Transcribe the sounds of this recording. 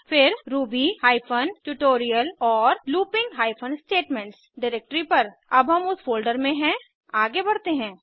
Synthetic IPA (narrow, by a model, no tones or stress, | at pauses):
fɪɾɾuːbihaːɪpʰənʈuʈoːɾijəlɔːɾluːpɪ̃ŋɡɦaːɪpʰə̃nsʈeːʈmɛ̃ɳʈsɖaɾek̚ʈɾipɐɾɐbɦɐmʊsfoːlɖəɾmẽɦɛ̃ | aːɡebɐɽt̪eɦɛ̃ː